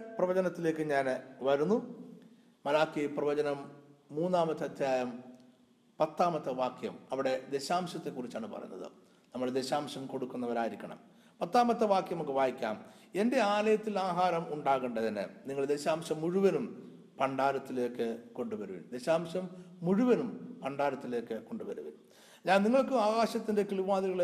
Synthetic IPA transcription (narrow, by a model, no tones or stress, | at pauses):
prɐʋɐd͡ʑɐnɐt̪ːile̞ːkːɨɲaːnʋɐɾunːu | mɐlaːkːijprɐʋɐd͡ʑɐnɐmːuːnːaːmɐt̪ːɐd̪ʱjaːjɐm | pɐt̪ːaːmɐt̪ːɐʋaːkjɐ̰mɐʋiɽe̞d̪e̞ɕaːmɕɐt̪ːe̞kːurit͡ɕːaːɳɨpɐ̰rɐ̰junːɐ̰ðɨ̰ | nɐmːuɽd̪e̞ɕaːmɕɐmko̞ɽukːunːɐʋɐɾaːjiɾikʲːɐɳɐ̰m | pɐt̪ːaːmɐt̪ːɐʋaːkjɐmokːeʋaːjikʲːa̰ːm | e̞nde̞aːlɐjɐt̪ːilaːɦaːɾɐmuɳɖaːɣuɳɖɐt̪inːḛniŋːɐɭd̪e̞ɕaːmɕɐmːuɻuʋɐnum | pɐɳɖaːɾɐt̪ːile̞ːkːɨko̞ɳɖuʋɐɾuʋḭnd̪e̞ɕaːmɕɐmːuɻuʋɐnumpɐɳɖaːɾɐt̪ːile̞ːkːɨko̞ɳɖuʋɐɾṵʋḭn | ɲaːnniŋːɐɭkɨaːɣaːɕɐt̪ːinde̞kiɭiʋaːðiɣɐɭ